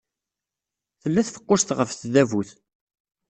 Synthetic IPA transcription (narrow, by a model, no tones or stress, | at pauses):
θəlːæθfə̥qːʊst̪ʁəfθðævuθ